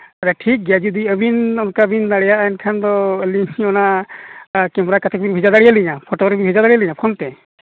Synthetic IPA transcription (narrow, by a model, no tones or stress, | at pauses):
aɾaʈʰik̚ɡjad͡ʒud̪iəbinɔnkabindaɽɛjaʔankʰand̪ɔəliŋiɔna | kɛmɾakat̪ʰɛk̚binbʱid͡ʒad̪aɽijaliɲapʰɔtɔɡɾɔpʰibizad̪aɽijaliɲakʰɔnt̪ɛ